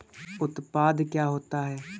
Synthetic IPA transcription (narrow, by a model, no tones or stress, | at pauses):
ʊt̪paːd̪kjaːɦoːt̪aɦɛː